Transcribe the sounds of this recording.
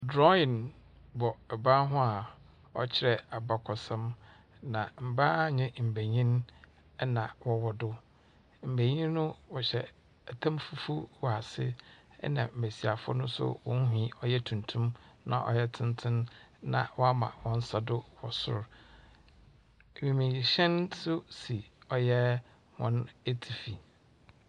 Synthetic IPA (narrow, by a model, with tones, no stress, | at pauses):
dɾɔ˦ĩ˨n | bɔ˨ɛ˨bã˦ɦʊ̃˦a˨ | ɔ̰˦t͡ɕʰɪ˨ɾɛ˨a˨ba˨kʰɔ˨sɛ̃˦m | nã˨m̩˨ba˦ɲɪ̃˦m̩˨be˨ɲĩ˦n˦ | nã˨wɔ˨wɔ˨dʊ˦ | m̩˨be˨ɲĩ˦nː˦ʊ̃˦wɔ˨ɕɛ˨ | æ˨tʰã˦mfu˦fu˦wa˨sɪ˦ | ɛ̰˦nã̰˨m̩˨bæ˨si˨a˨fʊ˦ʊ̰˦nʊ̃˦sʊ̰˦wɔ̰̃˦n˦ɦĩ˨˦ɔ˦jɛ˦tʰũ˨ntʰũ˦mnã̰˨ʔɔ̰˨jɛ˦tʰɪ̃˦n˦tʰɪ̃˦nnã̰˨wɔ˦a˦mã̰˨wɔ̃˦n̩˦sa˨dʊ˦wɔ̰˨sʊ̰˦˨ɾ | mĩ˨mĩ˨ɕɛ̃˦nsʊ˦si˨ɔ˨jɛ˦ | wɔ̃˦ne˦tʰi˨fi˨